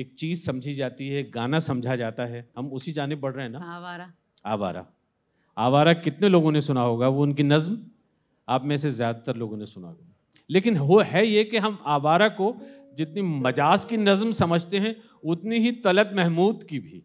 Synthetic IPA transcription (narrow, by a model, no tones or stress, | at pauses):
eːk̚t͡ʃiːzsɐ̃md͡ʒʱid͡ʒaːt̪iɦɛɡaːnasɐ̃md͡ʒʱad͡ʒaːt̪aɦɛɦɐmʊsid͡ʒaːnɪb̚bɐɽɾeɦɛ̃naa | aːʋa̰ːɾa̰ | aːʋaːɾakɪt̪neloːɡõnesʊnaɦoːɡaʋoʊnkinɐzm | aːpmɛ̃ːs̬ezjaːd̪at̪əɾloːɡõnesʊna̰ɡ | leːkɪnɦoɦɛjekeɦɐmaːʋaːɾako | d͡ʒɪt̪nimɐd͡ʒaːskinɐzmsɐməd͡ʒʱt̪eɦɛ̃ | ʊt̪neɦit̪ɐlət̪mɛɦmuːd̪kibʱiː